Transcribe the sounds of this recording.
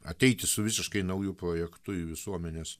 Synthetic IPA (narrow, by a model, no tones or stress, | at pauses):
ɐ̰t̪ʲɛɪt̪ʲɪsʊʋʲɪsʲɪʃkɐɪnɐʊjʊpɾoːjɛkt̪ʊʋʲɪsuɔmʲɛnʲeːs